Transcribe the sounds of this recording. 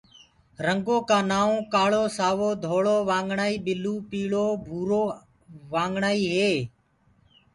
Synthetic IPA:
ɾəŋɡoːkãːnaːõːkaːɭoːsaːʋoːd̪ʱoːɭoːʋaːŋɡɳaːiːɓɪluːpiːɭoːbʱuːɾoː | ʋaːŋɡɳaːiːɦeː

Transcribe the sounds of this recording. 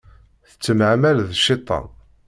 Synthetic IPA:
θə̥t͡sːəmʕmælðʃːet̪ˤːɑ̰n

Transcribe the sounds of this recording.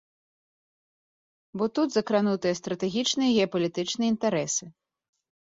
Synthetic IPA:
bɔt̪ud̪zɐkɾanut̪ɨjɛst̪ɾɐt̪ɛɣʲit͡ʂnɨjɛɣʲɛɐpɐlʲit̪ɨt͡ʂnɨjɐint̪aɾɛsɨ

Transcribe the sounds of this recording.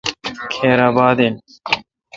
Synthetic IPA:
kʰeːɾaːbaːd̪en

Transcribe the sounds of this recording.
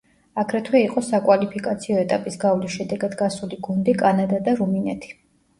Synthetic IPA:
aɡɾɛt̪ʰwɛiqʼɔsakʼwalipʰikʼat̪sʰiɔɛt̪ʼapʼisɡavlisʃɛd̪ɛɡad̪ɡasuliɡund̪ikʼanad̪ad̪aɾuminɛt̪ʰi̥

